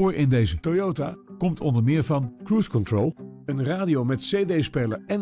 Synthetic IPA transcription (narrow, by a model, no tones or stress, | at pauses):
oːɹɪndejzətojotaːkɔmtʰɔndəɹmɪːɹvɑnkɹuskɔntɹolˠənraːdiowmɛtsedejspejləɹɛn